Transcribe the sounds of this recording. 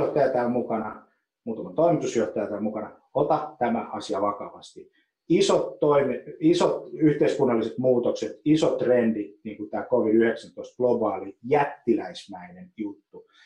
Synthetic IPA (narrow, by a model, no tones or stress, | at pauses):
oht̪ːɑjɑt̪æːmmukɑnɑ | muːt̪ɑmɑnt̪oimit̪usjoht̪ɑjɑt̪æːmukɑnɑ | ot̪ɑt̪æmæɑsiɑʋɑkɑʋɑst̪i | isot̪ːoimeisot̪yht̪eiskunːɑlːiset̪muːt̪okset̪isot̪rendiniːŋkut̪æːkoʋiyheksænt̪oist̪̚ɡ̥lobɑːlijæt̪ːilæismæinenjut̪ːu